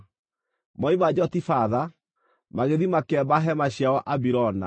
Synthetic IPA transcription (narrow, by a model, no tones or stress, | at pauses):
mɔimad͡ʑɔtifaða | maɣeðimakɛbaɦɛmaɕjaɔʔabiɾɔna̰